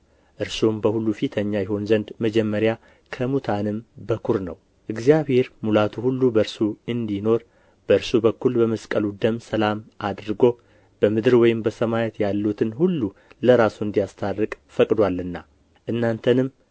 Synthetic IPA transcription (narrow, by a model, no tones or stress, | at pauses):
ʔɨɾsombəhulːufit̪ʰəɲːajɛɦo̞nzənd̪məd͡ʒɛmːəɾja | kʰəmut̪ʰanɨmbəkʰuɾnə̰w | ʔɨɡzijaβhe̞ɾmulat̪ʰuhulːubəɨɾsuɨnd̪ino̞ɾ | b̥əɨɾsubəkːulbəməskʼəlud̪əmsəlamʔad̪ɾɨɡo̞ | b̥əmɨd̪ɨɾwɔjɪmbəsəmajɛt̪jalːut̪ʰɨnhulːu | ləɾasuɨnd̪ijast̪ʰarːɨkʼfəkʼd̪walːɨnːa | ʔɨnːant̪ʰənɨm